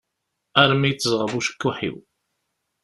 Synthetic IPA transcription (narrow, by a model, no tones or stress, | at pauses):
æɾəmijət͡sːəzˤʁəvuʃə̥kːuħḭw